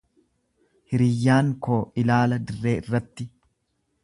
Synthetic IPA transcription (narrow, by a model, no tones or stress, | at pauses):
hɪɾɪjːaːŋkoːʔɪlaːlɐd̪ɪrːe̞ːɪrːɐt̪ːɪ